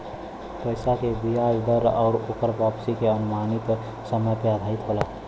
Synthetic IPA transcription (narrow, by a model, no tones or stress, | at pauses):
pəɪsakebijad͡ʒd̪əɾɔ̰ːɾoːkəɾpapsikeənʊmaːnit̪ | səməjpead̪ʱaɪt̪ɦolaː